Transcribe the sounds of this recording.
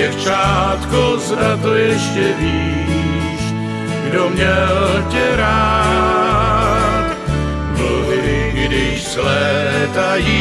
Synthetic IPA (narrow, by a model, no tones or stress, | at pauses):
ɛft͡ʃaːt̪kozdat̪ojɛʃcɛviː | ʃ | ɡdomɲɛllcɛɾaː | t̪ | mlovɪɡdɪʃzlɛt̪aji